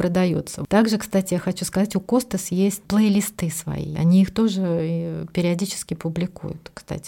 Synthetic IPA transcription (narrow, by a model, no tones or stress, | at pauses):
pɾəd̪ɐjṵt̪sət̪aɡʐɨkst̪atʲɪjaxɐt͡ɕuskɐzatʲʊko̞st̪əsjesʲtʲplˠəlʲɪst̪ɨsvɐ̰ḭɐ̰nʲiixt̪o̞ʐɨipʲɪɾʲɪɐdʲit͡ɕɪ̥skʲɪpʊblʲɪkṵjʊ̰t̪kst̪a̰tʲɪ̥